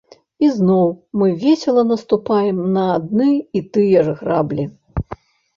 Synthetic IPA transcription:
iznɔwmɨvʲɛsʲɛlˠɐnɐst̪upajɛmnɐːd̪̚nɨit̪ɨjɛʐɣɾablʲi

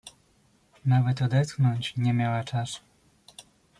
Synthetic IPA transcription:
navɛt̪ɔd̪ɛt̪xnɔɲt͡ɕɲɛmʲjawat͡ʂasu̥

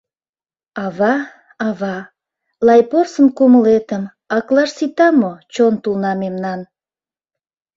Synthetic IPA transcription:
ɑβɑ | ɑβɑ | lɑjporsənkuməlet̪əm | ɑklɑʃsit̪ɑmot͡ɕont̪ulnɑmemnɑn

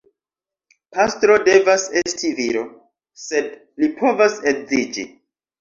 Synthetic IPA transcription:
pastɾo̞de̞vase̞stiviɾo̞ | se̞d̚ | lipʰo̞vasekzid͡ʒḭ

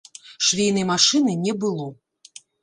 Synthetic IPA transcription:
ʂvʲejnɐjmaʂɨnɨnʲɛbɨlˠɔ

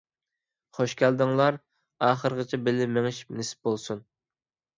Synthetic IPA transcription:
χoʃkʲʰæld̪ɨŋlˠɑɾ | ɑːχəɾʁət͡ʃʰɛbɪlɪmeŋɪʃi̥pnesɪ̥p̚bolˠsun

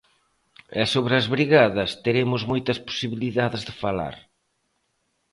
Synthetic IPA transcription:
ɛsoβɾɐzβɾiɣaðɐst̪eɾemʊzmojt̪ɐspo̥siβiliðaðɪzðɪfala̰ɾ

